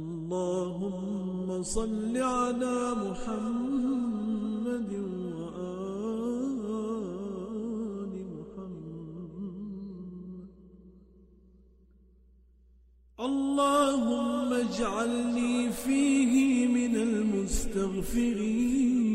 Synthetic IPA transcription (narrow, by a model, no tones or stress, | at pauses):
lˤːɑːɦʊmː | asˤɑlːiʕalaːmʊħam | ad̪nwaʔaː | lɪmʊħamː | ʔɑlˤːɑːhʊmːad͡ʒʕalniːfiːɦɪmɪnalmʊst̪aɣfɪɾiːn